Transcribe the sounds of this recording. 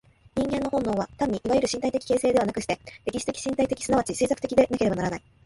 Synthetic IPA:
ɲ̟ĩŋɡẽ̞nːo̞hõ̞nːo̞ːβat̪ãɲːiʔiβajiɾɯ̟ɕĩt̪ait̪e̞kʲi̥keːse̞ːd̪e̞βanakɯ̟ɕi̥t̪e̞d̥̪ekʲiɕi̥t̪ekʲi̥ɕĩnt̪ait̪e̞kʲi̥sɨnaβat͡ɕise̞ːsakɯ̟̥t̪ekʲid̪e̞nake̞ɾe̞banaɾanai

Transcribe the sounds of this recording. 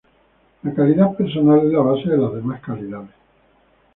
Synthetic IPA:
lakaliðapeɾsonalezlaβaseðelazðemaskaliðaðe

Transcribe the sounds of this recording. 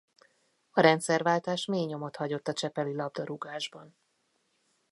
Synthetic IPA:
ɒɾɛnt̪sɛrvaːlt̪aːʃmeːɲo̞mot̪hɒɟo̞t̪ːɒt͡ʃɛpɛlilɒb̚d̪ɒɾuɡaːʒbɒn

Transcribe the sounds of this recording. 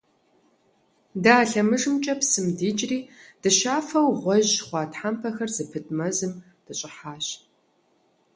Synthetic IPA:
daːɬɐmɨʐɨmt͡ʃʼɐpsɨmdiːd͡ʒʼriːd̥ɨʃaːfɐwʁʷɔʑχʷɑːtħampʰɐxɐrzɨpʰɨtʼmɐzɨm | d̥ɨɕʼɪħaːɕ

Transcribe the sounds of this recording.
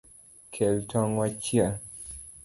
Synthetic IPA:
kʰɛltʰɔŋwat͡ʃja

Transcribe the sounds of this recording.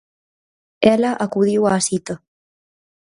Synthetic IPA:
ɛlaʔakuðiwaːsit̪ə

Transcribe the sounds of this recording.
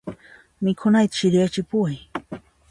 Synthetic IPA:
mɪkʰʊnajt̪ʃɪɾjat͡ʃɪpuaj

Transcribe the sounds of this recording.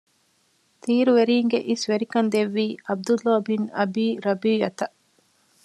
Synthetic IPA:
t̪iːɾuʋeɾiːŋɡeʔisʋeɾikɐnd̪eʋːiːɐb̚d̪ulːoːbinɐbiːɾɐbiːjɐt̪ɐʔ

